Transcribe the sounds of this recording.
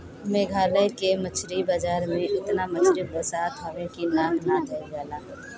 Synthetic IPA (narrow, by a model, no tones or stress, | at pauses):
meːɡʱaːləjkemət͡ʃʰɾibad͡ʒaːɾmẽʔɪt̪namət͡ʃʰɾibəsaːt̪ɦɐʋẽkinaːmnad̪ɐiɡaːlaː